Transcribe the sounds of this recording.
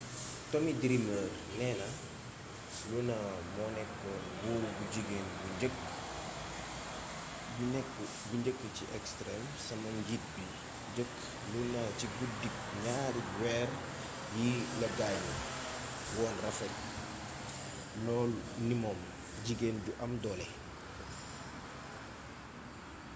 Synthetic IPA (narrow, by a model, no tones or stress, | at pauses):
tɔmidɾiməːr | nɛːnɐ | lunɐmɔːnɛkːɔnɡuːɾuɡuɟiɡeːnbuɲɟək̚ | bunɛkː | buɲd͡ʒəkːəciʔɛkstɾɛm | sɐmɐnɡit̚bi | ɟəkː | lunaciɡudik̚ | ɲaːɾiwɛːr | jilɐɡajɔ | wɔːnrɐfɐl | lɔːlnimɔːm | ɟiɡeːnɟuʔɐmdɔːlɛ